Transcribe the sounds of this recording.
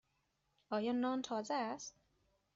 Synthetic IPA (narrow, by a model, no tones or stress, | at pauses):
ʔɒːjɒːnɒːnt̪ʰɒːzeæst̪̚